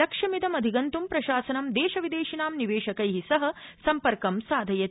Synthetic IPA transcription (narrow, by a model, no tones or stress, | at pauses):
ɐkʂɐmid̪ɐmɐd̪ʱiɡɐnt̪umpɾɐʃaːsɐnɐmd̪eːʃɐʋid̪eːʃinaːmniʋeːʃɐkɐjɦisɐɦɐ̆sɐmpɐɾkɐmsaːd̪ʱɐjɐ